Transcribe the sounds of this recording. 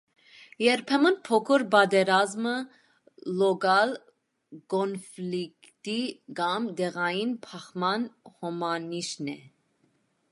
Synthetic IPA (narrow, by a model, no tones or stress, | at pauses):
jɛɾpʰɛmənpʰɔkʰɔɾbɑd̪ɛɾɑzmə | lɔɡɑl | kɔnflik | t̪iɡɑmd̪ɛʁɑjinpʰɑχmɑnhɔmɑniʃnɛ